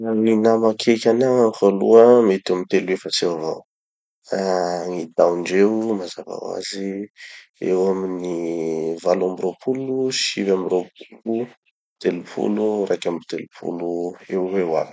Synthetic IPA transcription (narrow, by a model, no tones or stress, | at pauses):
awinamakʰekʲanaŋafalṵəmet̪amit̪eluefəsewava̰w | aŋid̪aɳɖ͡ʐewmaza̰va̰wa̰zi | ḛwaminivaluambiɾopʰuluʃivambiɾop̚ulu | t̪elupʰṵlurakamit̪elupʰṵluewewa̰mi̥